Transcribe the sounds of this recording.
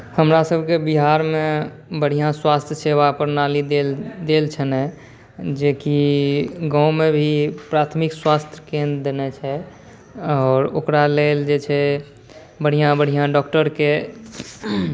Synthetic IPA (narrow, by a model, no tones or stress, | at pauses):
həmɾasəbʱkebiɦaɾme | bəɽ̤ijãswast̪ʰjəsebapəɾnalid̪ed̪elt͡ʃʰənɛ | d͡ʒeki | ɡãũmebʱipɾat̪ʰmikswast̪ʰjəkẽnd̪ɾd̪enɛt͡ʃʰɛ | ɔːɾo̰kɾaleld͡ʒet͡ʃʰɛ | bəɽ̤ijãbəɽ̤ijãɖɔkʈəɾke